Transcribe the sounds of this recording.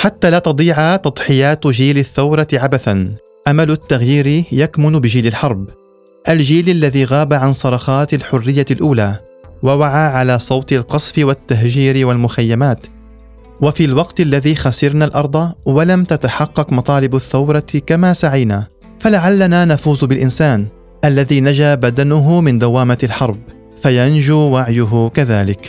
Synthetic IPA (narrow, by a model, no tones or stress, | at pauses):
ħat̪ːaːlaːt̪ɑd̪ˤiːʕat̪ɑd̪ˤħɪjaːt̪d͡ʒiːlɪθːawɾˤɑʕabaθan | ʔamalʊt̪ːaɣjiːɾjakmʊnbɪd͡ʒiːlɪlħɑɾˤb | ʔald͡ʒiːlalːaðiːɣaːbaʕansˤɑɾˤɑxɑːt̪alħʊrːɪjːalʔuːlaː | wawaʕaːʕalaːsˤɑwt̪ˤɪlqɑsˤfɪwat̪ːaɦd͡ʒiːɾɪwalmʊxajːamaːt̪ | wafiːlwɑqt̪alːaðiːxasɪɾnalʔɑɾˤd̪ˤɑwalamt̪at̪aħɑqːɑqmɑt̪ˤɑːlɪbaθːawɾˤɑkamaːsaʕajnaː | falaʕalːanaːnafuːzbɪlʔɪnsaːn | ʔalːaðiːnad͡ʒaːbad̪anʊɦʊmɪnd̪awaːmaalħɑɾˤb | fajand͡ʒuːwaʕjʊɦʊkaðaːlɪk